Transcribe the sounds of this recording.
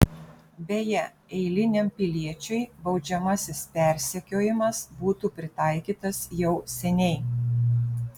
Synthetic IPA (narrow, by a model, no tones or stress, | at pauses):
bʲejɛ | ɛɪlʲɪnʲɛmpʲɪlʲiɛt͡ʃʲʊɪbɒʊd͡ʒʲɛmɐsʲɪspʲɛˑɾʲsʲɛkʲoːjɪmɐsbuːt̪uːpʲɾʲɪt̪ɑˑɪkʲiːt̪ɐsjɛʊsʲɛnʲɛɪ